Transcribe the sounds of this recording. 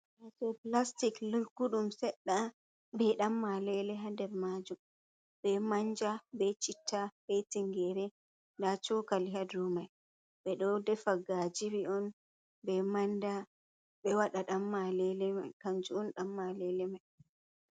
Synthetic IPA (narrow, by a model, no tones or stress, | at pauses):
atɔplastiklulkuɗumsɛɗːa | bɛɗamːalɛlɛɦadɛɾmad͡ʒum | bɛmaɲd͡ʒabɛt͡ʃitʰːabɛtiŋɡɛɾɛ | ndat͡ʃɔkalihadumaj | ɓɛɗɔdɛfaɡad͡ʒiwiɔn | bɛmanda | ɓɛwaɗaɗamːalɛlɛmajkand͡ʒuɔnɗamːalɛlɛmaj